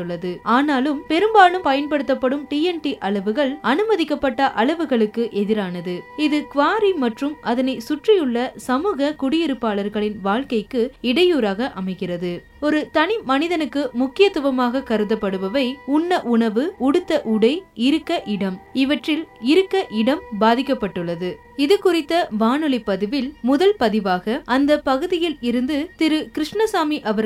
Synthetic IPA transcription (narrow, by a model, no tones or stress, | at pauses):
ɯɭːɐðɯaːnaːlɯmpɛɾɯmbaːɭɯmpɐjɐnpɐɽɯt̪ːɐpːɐɽɯmʈiːɛnʈiʔɐɭɐʋɯɣɐɭɐnɯmɐðɪkːɐpːɐʈːɐʔɐɭɐʋɯɣɐɭɯkːɯʔɛðɪɾaːnɐðɯɪðɯkʋaːɾimɐʈrɯmʔɐðɐnɐɪsʊʈrɪjɯɭːɐsɐmuːɣɐkʊɽɪjɪɾɯpːaːɭɐɾɣɐɭɪnʋaːɭkɐɪkːɯɪɽɐjuːɾaːɣɐʔɐmɐɪkɪrɐðɯ | ɔɾɯt̪ɐnɪmɐnɪðɐnɯkːɯmʊkːɪjɐt̪ːɯʋɐmaːɣɐkɐɾɯðɐpːɐɽɯʋɐʋɐɪʊnːɐʔʊɳɐʋɯʊɽɯt̪ːɐʔʊɽɐɪɪɾɯkːɐʔɪɽɐmɪʋɐʈrɪlɪɾɯkːɐʔɪɽɐmbaːðɪkːɐpːɐʈːɯɭːɐðɯ | ɪðɯkːʊrɪt̪ːɐʋaːnɯɭɐɪpːɐðɪʋɪlmʊðɐlpɐðɪʋaːɣɐʔɐnd̪ɐpɐɣɯðɪjɪlɪɾɯnd̪ɯt̪ɪɾɯkɪɾɪʂɳɐsaːmiʔɐʋɐɾ